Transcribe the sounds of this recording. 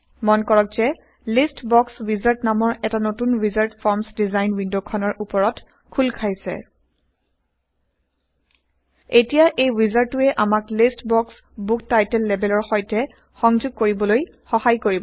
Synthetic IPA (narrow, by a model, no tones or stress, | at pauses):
mɔnkɔɹɔk̚zɛ | listbɔkswizaɹtnamɔɹɛtanotunɹizaɹtpʰɔɹmsdizajnwindokʰɔnɔɹʔupɔɹɔt | kʰulkʰajsɛ̰ | etijaʔejwizaɹtːuɛʔamaklistbɔks | buk̚tajtɛlːɛbɛlɔɹxɔjtɛ | xɔŋzʊɡ̚koɹibɔloj | xɔhajkoɹibɔ